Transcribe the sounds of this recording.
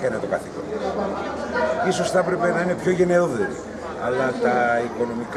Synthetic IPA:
kɐnet̪o̞kɐθikon | iso̞sθɐepɾe̞pe̞nɐine̞pçoʝe̞ne̞oðeɾi | ɐ̰lɐt̪ɐiko̞no̞mik

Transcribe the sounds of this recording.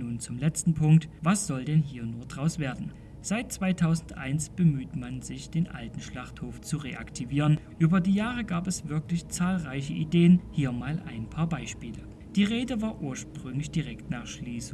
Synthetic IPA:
nuːnt͡sʊmlɛt͡stn̩pʰʊŋktvasz̥ɔldɛnɦiːɐnuːɐdʁaʊsv̥eːɐdn̩ | z̥aɪt̚t͡sv̥aɪtʰaʊzn̩tʔa̰ɪnsb̥əmyːtmanzɪçd̥eːnʔa̰ltn̩ʃlaχthoːft͡suʁeʔa̰ktʰiviːʁənʔyːbɐdiːjaːʁəɡaːpɛsv̥ɪɐklɪçt͡saːlʁaɪç̬əʔideːənhiːɐmaːlʔa̰ɪnpʰaːɐbaɪʃpiːlə | d̥iːʁeːdəvaːɐʔuːɐʃpʁ̥ʏŋlɪçd̥iʁɛktnaːχʃliːs

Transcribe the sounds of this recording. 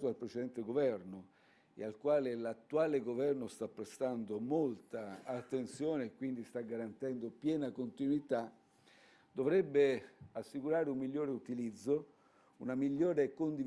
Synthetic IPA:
oalpɾet͡ʃed̪ɛnt̪eɡovɛrno | ḛalkwaːlelat̪ːuaːleɡovɛrnost̪apːɾest̪and̪omolt̪aːt̪ːent̪sjoːneːkːwind̪ist̪aɡːaɾant̪ɛnd̪opjɛːnakont̪inwit̪a | d̪ovɾɛbːeasːikuɾaːɾeumːiʎːoːɾeut̪ilid̪zːo | unamiʎːoːɾekond̪i

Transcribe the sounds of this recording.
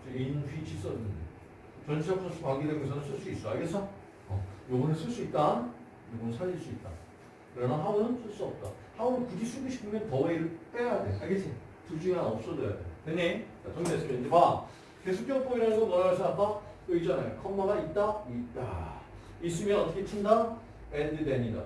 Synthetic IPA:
id͡ʑeinɯɸʰɥit͡ɕʰis͈ʌnɯnde | t͡ɕʌnt͡ɕʰiakpʌsʰukwaŋɡidwenɡesʰʌnɯnsʰɯɭs͈uis͈ʌiɡesʰʌ | ʌ̰jobunesʰɯɭs͈uit̚t͈an | nuɡunɯnsʰaʎːiɭs͈uit̚t͈a̰ | kɯɾʌnaɦaunɯnsʰɯɭs͈uʌp̚t͈a | haunɯnkud͡ʑisʰuɡuɕʰi̥pʰɯmjʌntʌeiɾɯɭt͈eɡajadwejoaɡesʰe | tud͡ʑuŋanʌp̚s͈ʌd͡ʑʌja̰dḛoteɲikatoŋmies͈ɯend͡ʑiba | kesʰuk͈ʰjʌp͈ʰoɡiɾasʰʌnʌɾaɡɭs͈ʰɯapʰa | ɯd͡ʑʌnekʰʌmmaɡait̚t͈aita̰ | is͈ɯmjʌnʌt͈ʌkʰet͡ɕʰindaŋ | endɯdeɲida̰

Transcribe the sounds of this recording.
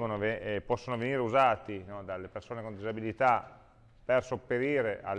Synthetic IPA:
onovepɔsːonoveniːɾeuzaːt̪inɔd̪alːepersoːnekond̪izabilit̪a | persopːeɾiːɾeʔa̰l

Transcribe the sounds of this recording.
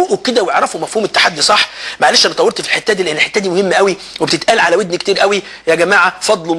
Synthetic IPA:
oʔoked̪æweʕɾˤɑfomæfhuːmet̪ːḁħad̪ːisˤɑħːmaʕalæːʃʔænɑt̪ˤɑweɾt̪filħet̪ːæːd̪iːleʔenːelħet̪ːæd̪iːmohemːʔæwi | webet̪et̪ʔælʕalæwed̪nkt̪iːɾʔæwi | jæɡæmaːʕafɑd̪ˤlo

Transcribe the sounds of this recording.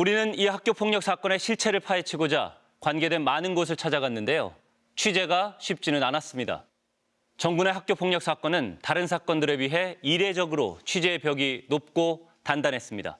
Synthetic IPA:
uɾinɯnihak̚k͈jopʰoŋɲʌk̚s͈ak͈ʌne̞ɕʰiɭt͡ɕʰe̞ɾɯɭpʰaɦe̞t͡ɕʰiɡod͡ʑa̰ | kwanɡe̞dwe̞nmanɯnɡos̬ʰɯɭt͡ɕʰad͡ʑaɡanːɯnde̞jo̰ | t͡ɕʰwɥid͡ʑe̞ɡaɕʰɥip̚t͡ɕ͈inɯnanas͈ɯmɲida̰ | t͡ɕʌŋɡune̞ɦak̚k͈jopʰoŋɲʌk̚s͈ak͈ʌnɯntaɾɯnsʰak͈ʌndɯɾe̞wɥiɦe̞iɾe̞d͡ʑʌɡɯɾo̰t͡ɕʰwid͡ʑe̞ːpjʌɡinop̚k͈o | tandanɦe̞s͈ɯmɲida̰

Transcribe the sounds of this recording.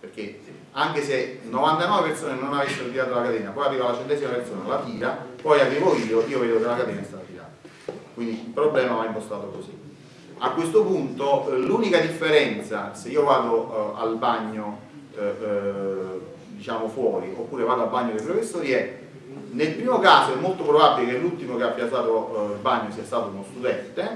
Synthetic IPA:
perk̟e | aŋk̟esenːovant̪anɔːvepersoːnenonavesːeɾot̪iɾaːt̪olakad̪ɛːnapɔjarːivalːat͡ʃɛnt̪ɛzimapersoːnalat̪iːɾapɔjaveːvoiːoʔiːoveːd̪okelakat̪ɛːnaest̪aːt̪at̪iɾa̰ːt̪ | kwind̪ilpɾoblɛːmamaimpost̪aːt̪okosi | akːwest̪opunt̪oluːnikad̪ifːeɾɛnt̪saseiːovaːd̪oa̰lbaɲːo | d̪it͡ʃaːmofwɔːɾiopːuːɾevaːd̪oalbaɲːod̪ejp̬ɾofesːoːɾiɛ | nelpɾiːmokaːsoɛmːolt̪opɾobabːilekelːult̪imokeapːijat̪saːt̪olbaɲːosiːast̪aːt̪ounost̪ud̪ɛnt̪e

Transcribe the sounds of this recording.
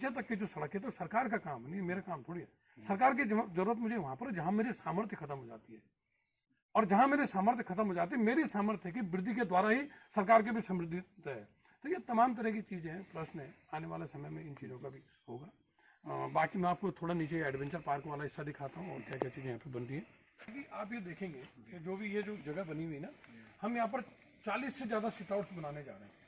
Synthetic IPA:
t͡ʃet̪̬ɐkːed͡ʒoːsɐɽəkɦɛt̪̬osɐɾkaːɾkakaːmɦɛnimeːɾakaːmt̪ʰoːɽiɦɛː | sɐɾkaːɾk̬izɐɾuːɾət̪mʊd͡ʒʱeʋɐɦãpɐɾd͡ʒɐɦãmeːɾisaːməɾt̪ʰjəkʰɐt̪əmɦoːd͡ʒa̰ːt̪iɦɛː | ɔːɾd͡ʒɐɦãmeːɾisaːməɾt̪ʰjəkʰɐt̪̬əmɦoːd͡ʒaːt̪̬iɦɛmeːɾisaːməɾt̪ʰɦɛkiʋɾɪd̪ʱːiked̪waːɾaɦisɐɾkaːɾk̬ebʱisɐ̃mɾɪd̪ʱːɪt̪ɦɛː | t̪ojet̪ɐmaːmt̪̬ɐɾəɦk̬it͡ʃiːzẽɦɛ̃pɾɐʃnɦɛ̃ | aːneʋaːlesɐməjmẽɪnt͡ʃiːzõkabʱi | ɦoːɡaː | baːkimɛ̃aːp̚kot̪ʰoːɽaniːt͡ʃeɛːɖʋɛ̃nt͡ʃəɾpaːɾkʋaːlaɪsːad̪ɪkʰaːt̪aɦũɔ̰ːɾkjaːkjat͡ʃiːzẽjɦaːpebɐnt̪iɦɛ̃ː | sokiʔaːp̬jed̪eːkʰẽːŋɡeːked͡ʒoːbʱijed͡ʒoːd͡ʒɐɡəbɐniɦuinahɐmjɐɦãp̬ɐɾ | t͡ʃaːliːsːed͡ʒjaːd̪asɪʈaːʊʈsbɐnaːned͡ʒa̰ːɾəɦɛ̃

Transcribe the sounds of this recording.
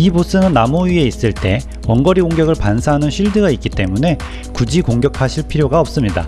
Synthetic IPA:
ibos͈ɯnɯnːamoɥie̞is͈ɯɭt͈e̞̰ | wʌnɡʌɾioŋɡjʌɡɯɭpansʰaɦanɯnɕʰiɭdɯɡaik͈it͈e̞mune̞ | kud͡ʑikoŋɡjʌkʰaɕʰiɭpʰiɾjoɡaʌp̚s͈ɯmɲida̰

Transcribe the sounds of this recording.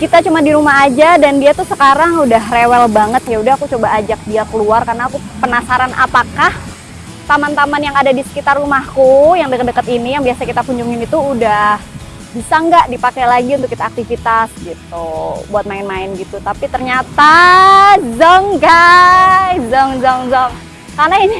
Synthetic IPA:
kit̪at͡ʃumadiɾumaɦad͡ʒadandiat̪usəkaɾaŋudaɦrewɛlbaŋət̪̚jaudahakut͡ʃobaːd͡ʒak̚diakəluarkarnaːkupənasaɾanʔa̰pakah | t̪amant̪amanjaŋadadisə̥kit̪arːumahkujaŋdəkət̪dəkət̪inijaŋbiasakit̪akuɲd͡ʒʊŋinit̪uːdah | bisaŋɡaʔdipakajlaɡiunt̪ʊkːit̪aːk̚t̪ifit̪asɡit̪ubuat̪̚maɪnmaɪnɡit̪ut̪apit̪ərɲat̪a | zɔŋɡa | jzɔŋzɔŋzɔŋ | karnaini

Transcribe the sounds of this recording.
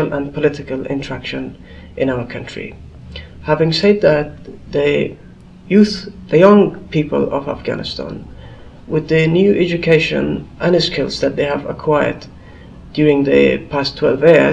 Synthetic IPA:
əlˠʔə̃npʰəlɪɾɪkəlˠɪ̰̃ntʰə˞ækʃɨ̃n | ʔɨ̃naʊə˞kʰʌ̃ntɹ̥ḭ | hævɪ̃ŋsɛd̪̚ðɨt̪̚ðɨ | jʉθðɨjʌ̃ŋpʰipə̰lˠʌ̰væ̰fɡ̥æ̰nɨstʰã̰n | wɪðɨnjʉʔɛd͡ʒɨkʰeɪʃɨ̰̃nʔə̃nɨskʰɪlˠzðɨt̪̚ðeɪəvə̰kʰw̥aɪə̰˞d | djʊɹɪ̃ŋðɨ̰pʰastʰw̥ɛlˠvji

